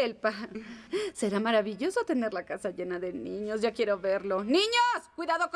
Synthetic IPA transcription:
elpa | se̞ɾamaɾaβiʝo̞sot̪e̞ne̞ɾlakasaʝe̞naðenĩɲo̞sʝakje̞ɾo̞βeɾlo̞nĩɲoskwiðaðok

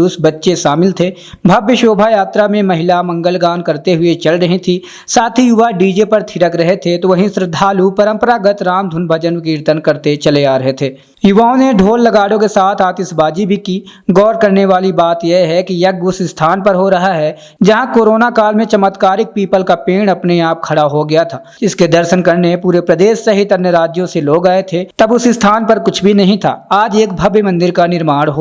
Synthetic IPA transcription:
ʊsbɐtːʃeʃaːmɪlt̪ʰeː | bʱɐbjəʃoːbʱajaːt̪ɾamẽmɐɦɪlamɐ̃ŋɡəlɡaːnkɐɾt̪eɦʊet͡ʃɐlɾɐɦit̪ʰi | saːt̪ʰijʊʋaɖiːd͡ʒepɐɾt̪ʰɪɾəkɾɐɦet̪ʰet̪oʋɐɦĩsɾɪd̪ʱaːlupəɾə̃mpəɾaɡət̪ɾaːmd̪ʱʊnbʱəd͡ʒənʋɪkiːɾt̪ənkɐɾt̪et͡ʃɐleaːɾɐɦet̪ʰeː | jʊʋaːõneɖʱoːlːɐɡaːɽokesaːt̪ʰaːt̪ɪsbaːd͡ʒibʱikiɡɔːɾkɐɾneʋaːlibaːt̪jeɦɛkijɐk̚ʊsst̪ʰaːnpəɾɦoɾɐɦaɦɛ | d͡ʒɐɦãkoːɾoːnakaːlmẽt͡ʃəmət̪kaːɾɪk̚piːpəlkapeːɽ̃ɐpneaːp̚kʰɐɽaɦoɡɐjat̪ʰaːd͡ʒɪsked̪əɾʃənkɐɾneẽpuːɾepɾəd̪eːʃːɐɦit̪ɐnjəɾaːd͡ʒjõseloːɡaːet̪ʰet̪ɐbʊsɪst̪ʰaːnpɐɾkʊt͡ʃʰbʱinɐɦĩt̪ʰa̰ːaːd͡ʒeːk̚bʱɐbjmɐ̃nd̪ɪɾkanɪɾmaːɽ̃ɦoː

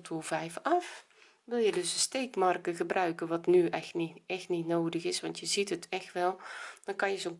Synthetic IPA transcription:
tʰulˠvɛjfɑf | ʋɪlˠjədøsənsteːkmarkəɣəbrœɥkəʋɔtnyɛxniɛxtnitnoːdəɣɪsʋɑntjəzitətʰɛxtʋɛlˠd̥ɔnkɑnjəzoːn

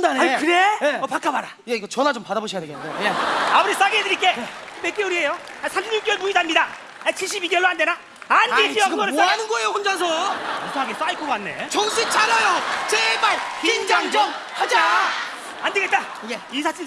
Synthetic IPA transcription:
ndanakɯɾejeʌpak͈abaɾa | jeiɡʌt͡ɕʌnat͡ɕompadaboɕʰijadeɡedejeabɯɾis͈aɡedɯɾik͈ekɯmek͈euɾiɦe̞jo | asʰamɕʰimɲuk͈ʌɭmuidamɲida | at͡ɕʰiɭɕ͈ibiɡjeɭːoɦande̞na | anit͡ɕ͈iʌɡʌɾeaanɯnɡʌejokund͡ʑas̬ʰʌosʰoɦaɡes͈aikʰoɡanːḛt͡ɕʌŋsʰet͡ɕʰaɾajot͡ɕebaɭkiind͡ʑaŋt͡ɕʌm | ad͡ʑa | andeɡet̚t͈a | jeisʰat͡ɕʰi

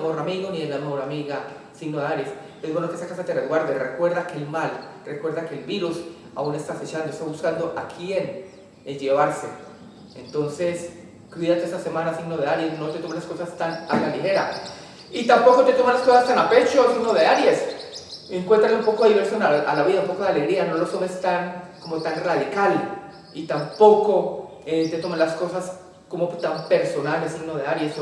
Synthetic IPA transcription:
hoɾamiɣonielamehoɾamiɣa | siɡno̞ðeaɾjes | ezbwe̞nokeesakasat̪ereðɡwaɾd̪erekwe̞ɾðakelmalrekwe̞ɾd̪ake̞lbiɾus | a̰une̞st̪ase̞t͡ʃand̪oest̪aβuskand̪oʔakʰje̞n | ed͡ʒe̞βaɾse | ent̪o̞nse̞s | kwiðat̪eest̪ase̞manasiɡnoðe̞aɾje̞sno̞t̪et̪omalasko̞sast̪anakalixe̞ɾa | it̪ampo̞ko̞t̪et̪o̞manlasko̞sast̪anape̞t͡ʃosiɡnoðeaɾje̞s | eŋkwe̞nt̪ɾaleumpo̞koðiβeɾsjonaʔalaβiðaumpo̞koðeale̞ɣɾiano̞lost̪omest̪aŋko̞mot̪anraðikal | it̪ampo̞ko̞ | et̪et̪omalasko̞sas | komot̪ampe̞ɾso̞nalesiɡnoð̞eaɾjes

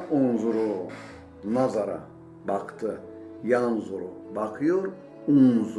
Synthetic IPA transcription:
unzuɾu | nazaɾa̰ | baqʰt̪ʰə | janzuɾubaqʰjoɾ | unz

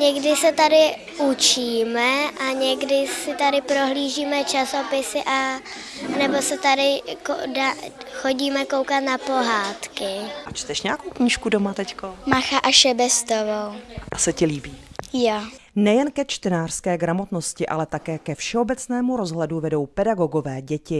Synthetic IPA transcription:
ɲɛɡdɪsɛt̪adɪ | ut͡ʃiːmɛʔaɲɛɡdɪsɪt̪adɪpɾo̞ɦliːʒiːmɛt͡ʃasopɪsɪʔa | nɛbo̞sɛt̪adɪko̰daxo̞ɟiːmɛko̞wkat̪napo̞ɦaːt̪kɪʔat͡ʃt̪ɛʃɲɛakowkɲiːʃkudomat̪ɛckomaxaʔaʃɛbɛst̪ovowʔasɛcɛliːbiːjo | nɛjɛnkɛt͡ʃt̪ɛnaːr̥skɛːɡɾamo̞t̪no̞scɪʔa̰lɛt̪akɛːkɛfʃɛo̞bɛt͡snɛːmuɾo̞zɦlɛduvɛdo̞wpɛdaɡo̞ɡo̞vɛːɟɛcɪ

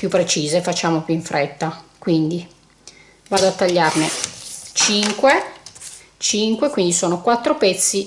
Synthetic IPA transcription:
pjupːɾet͡ʃiːzefat͡ʃːaːmopjuiɱfɾʔɛt̪ːakwind̪i | vaːd̪oat̪ːaʎːarnet͡ʃiŋkwe | t͡ʃiŋkwekwind̪isoːnokwat̪ːɾopɛt̪sːi

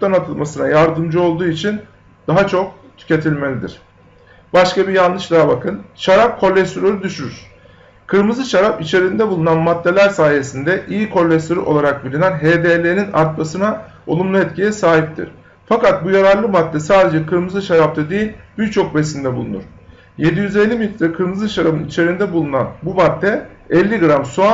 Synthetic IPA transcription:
ut̪anat̪ʰɯlˠmasɯnajaɾd̪ɯmd͡ʒɯo̞lˠd̪uːit͡ʃʰin | d̪̥aɦat͡ʃʰo̞k̚ | t̪ʰy̥ce̞t̪ʰilʲme̞lʲid̪ḭɾ̝̥ | baʃkabijanˠnːɯʃd̪ˠabakʰɯnʃaɾap̚kʰo̞lʲːɛst̪oɾoɾyd̪yʃyɾyɾ̥ | kʰɯɾmɯzɯʃaɾapit͡ʃʰe̞ɾind̪ɛbulˠunanmat̪ːe̞lʲæɾsaːje̞sind̪ɛʔijikʰo̞lʲːɛst̪oɾy̰ʔo̞lˠaɾak̚bilʲinænɦeːd̪elʲeninaɾt̪masɯna | olˠumlˠuɛt̪cʰijɛsaːɦip̚t̪ʰḭɾ̥ | fakat̪̚bujaɾaɾlˠɯmat̪ːɛsaːd̪e̞d͡ʒɛkʰɯɾmɯzɯʃaɾap̚t̪ʰad̪ejilʲbiɾt͡ʃʰo̞k̚besind̪ɛbulˠunṵɾ̥ | je̞d̪ijyzelʲːimit̪ɾakʰɯɾmɯzɯʃaɾabɯnit͡ʃʰe̞ɾind̪ɛbulˠunanbumat̪ːɛɛlʲːiɡɯɾamsua

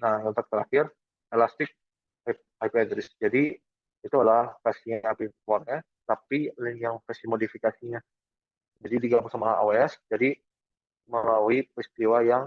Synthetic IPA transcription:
nahŋənt̪ak̚t̪əɾaxɪr | elast̪ɪk̚ | ajpeadɾɪsd͡ʒadi | it̪ualahkasiɲaapipɔrɲa | t̪apiliŋjaŋpasimodifikasiɲa | d͡ʒadidiɡapusamaa̰a̰weɛsd͡ʒadi | məlauipɾist̪iwajaŋ

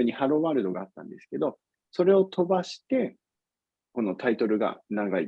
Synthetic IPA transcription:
ɯɲ̟ːihaɾo̞βaːɾɯ̟d̪o̞ɡaːt̪ːã̰nd̪e̞sɨ̥ke̞d̪o̞ | so̞ɾe̞o̞t̪ʰo̞baɕi̥t̪e̞ | ko̞no̞t̪ait̪o̞ɾɯ̟ɡa̰naɡai

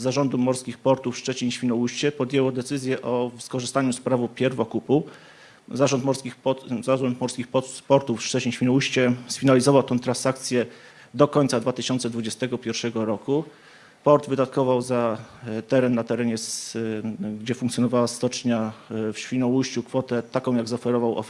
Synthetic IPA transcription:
zːaʐɔnd̪umɔɾskʲixpɔɾt̪ufʂt͡ʂɛt͡ɕiɲɕfʲinɔwuɕt͡ɕɛpɔd̪ʲjɛwɔd̪ɛt̪sɘzʲjɛʔɔfskɔʐɘst̪aɲuspɾavupʲjɛɾvɔkupu | zaʐɔnt̪mɔɾskʲizaʐɔnt̪mɔɾskʲixpɔpɔɾt̪ufʂt͡ʂɛt͡ɕiɲɕfʲinɔwuɕt͡ɕɛsfʲinalʲizɔvawt̪ɛ̃w̃t̪ɾãnsak̚t̪sʲjɛ | d̪ɔkɔɲt̪sad̪vat̪ɘɕɔnt̪sɛd̪vud͡ʑɛst̪ɛɡɔpʲjɛɾfʂɛɡɔɾɔku | pɔɾd̪vɘd̪at̪̚kɔvawzat̪ɛɾɛnːat̪ɛɾɛɲɛs | ɡd͡ʑɛfuŋk̪sjɔnɔvawast̪ɔt͡ʂɲafɕfʲinɔwuɕt͡ɕukfɔt̪ɛt̪akɔ̃w̃jaɡzaɔfɛɾɔvawɔ̰

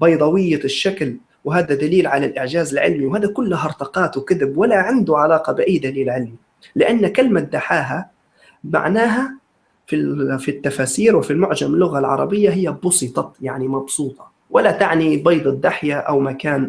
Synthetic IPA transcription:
bɑjd̪ˤɑwɪjːaʃːakl | wɦaːd̪ad̪aliːlʕalalʔɪʕd͡ʒaːzɪlʕɪ̰lmiwɦaːðakʊlːaɦɑɾˤt̪ɑqɑːt̪wkɪðɪbwalaʕɪnd̪ʊʕalɑːqɑbɪʔajːd̪aliːlʕɪlmi | lɪʔanːkɪlmad̪aħaːɦa | ma̰ʕnaːɦa | fifit̪ːafaːsiːɾwɪfilmʊʕd͡ʒamɪlːʊɣalʕɑ̰ɾˤɑ̰bɪjːaɦɪjːabʊsˤɨt̪ˤɑjaʕnimɑbsuːt̪ˤɑ̥ | wʔalat̪aʕnibɑjd̪ˤɪd̪ːaħjaʔawmakaːn

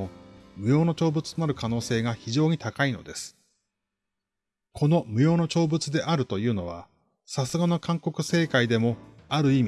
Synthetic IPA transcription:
omɯ̟jo̞ːno̞t͡ɕo̞ːbɯt͡sɨ̥t̪o̞naɾɯ̟kano̞ːse̞ːɡaçiʑo̞ːɲ̟it̪akaino̞̰d̪e̞sɨ̥ | kʰo̞no̞mɯ̟jo̞ːno̞t͡ɕo̞ːbɯ̟t͡sɨd̪e̞ʔaɾɯ̟t̪o̞jɯ̟ːno̞βa̰ | sasɨɡano̞kʰãŋko̞kɯ̟se̞ːkaid̪e̞mo̞aɾɯ̟iːmʲ

